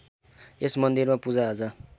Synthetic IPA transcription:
esmʌnd̪irmapud͡zaɦod͡zʌ

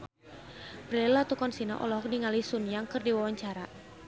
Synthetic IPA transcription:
bɾɛlat̪ukɔnsina̰ʔɔ̰lɔɦɔk̚diŋalisunjaŋkɨrdiwawaɲt͡ʃaɾa

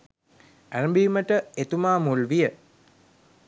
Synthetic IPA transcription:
ænbiːməʈəet̪umaːmulʋijə

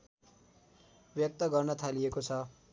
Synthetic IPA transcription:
bjʌk̚t̪ʌɡʌrnʌt̪ʰaliekot͡sʰʌ

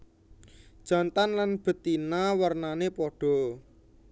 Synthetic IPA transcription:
d̥ʒ̥a̤nt̪anlanb̥ə̤t̪inawərnanepɔɖ̥ɔ̤

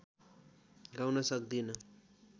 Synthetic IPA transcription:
ɡawnʌsʌk̚d̪inʌ

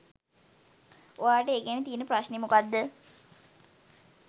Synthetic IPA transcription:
oaːʈəeɡænet̪iːnəpraɕnemukad̪ːə

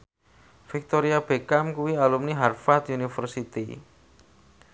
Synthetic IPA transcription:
fik̚t̪oɾiab̥ekamkuwialumniɦarfat̪unifərsit̪ḭ

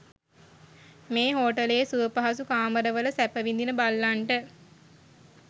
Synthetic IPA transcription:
meːɦoːʈəlesuəpaɦasukaːməɾəʋələsæpəʋind̪inəbalːaɳʈə

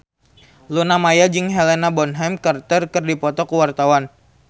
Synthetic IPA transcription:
lunamajad͡ʒɨŋɦelenabɔnɦɛmkart̪ərkɨrdipɔt̪ɔkuwart̪awan

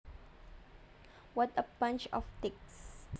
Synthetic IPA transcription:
wɔtəbãnt͡ʃɔ̰ftɪks

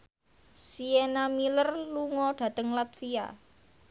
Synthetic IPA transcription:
sienamilərluŋɔɖ̥ä̤t̪əŋlat̪fia̰

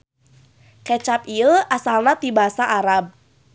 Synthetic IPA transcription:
kɛt͡ʃapiəasalnat̪ibaɦasaʔaɾab̚

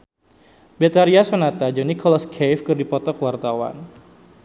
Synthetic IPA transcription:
bet̪aɾiasɔnat̪ad͡ʒɔnikʰɔlaskʰejfkɨrdipɔt̪ɔkwart̪awa̰n

